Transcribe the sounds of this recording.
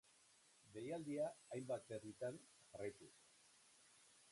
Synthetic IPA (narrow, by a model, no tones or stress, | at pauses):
be̞jald̪iaːjmbat̪̚e̞rit̪an | ʝarajt̪us